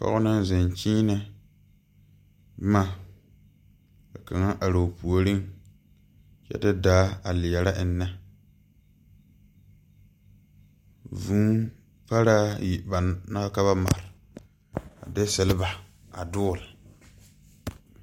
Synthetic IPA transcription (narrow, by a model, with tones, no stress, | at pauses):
pɔ̰˦ɣʊ˦nɨ˦ŋzɛ˨nt͡ʃiː˦nɨ˦ | bma˦ | ka˨ka˨ŋa˦ʔa˨ɾo˨pu˨o˨ɾi˦ŋ | t͡ʃɛ̰˦tɪ˦daː˦a˨lɪ˨jɛ˨ɾa˦ʔɪ˨nːɛ˦ | vuː˦ | pa˦ɾaː˦ji˨ba˨na˦ka˦βa˦ma̰˨ɾɪ˨ | a̰˨de˦sɛ˨lba˨ | a˨dʊː˦˨lɪ˨